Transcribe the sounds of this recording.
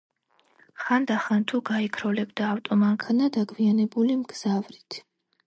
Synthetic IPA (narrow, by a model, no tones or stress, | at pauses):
χand̪aχant̪ʰuɡaikʰɾɔlɛbd̪aːft̪ʼɔmaŋkʰanad̪aɡʰvianɛbulimɡz̥avɾit̪ʰ